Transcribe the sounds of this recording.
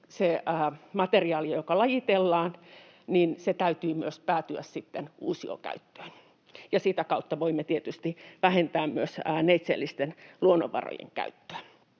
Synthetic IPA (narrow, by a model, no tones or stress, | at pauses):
seæːmɑt̪eriɑːlijojokɑlɑjit̪elːɑːn | ninset̪æyt̪yːmyøspæːt̪yæ̰ssit̪ːenʔṵːsio̰kæ̰yt̪ːø̥ːn | jɑsit̪ækɑut̪ːɑʋoimːet̪iet̪yst̪iʋæhent̪æːmmyøsneit̪sḛlːist̪enluonːo̰ʋʋɑ̰ro̰jḛŋkæ̰yt̪ːø̥æ